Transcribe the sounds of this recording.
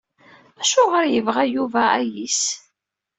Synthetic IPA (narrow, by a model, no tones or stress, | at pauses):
æʃʊʁəɾjəvʁæjuvææjis